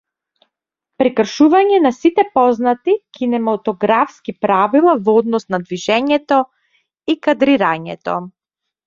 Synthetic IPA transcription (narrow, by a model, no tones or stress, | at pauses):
pɾikr̩ʃuvaɲɛnasit̪ɛpɔznat̪ikʰinɛmat̪ɔɡɾafskipɾavilˠavɔd̪nɔsnad̪viʒɛɲɛt̪ɔ | ikad̪ɾiɾaɲɛt̪ɔ̰